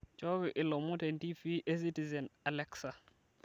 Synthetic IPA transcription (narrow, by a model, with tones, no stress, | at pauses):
t͡ʃɔ˦ɡɪ˨ʔɪ˨lɔ˨mʊ˦tɛ˨nti˦fi˦ʔe˦s̬i˦ti˨zɛ˨na˨lɛ˦ksa˨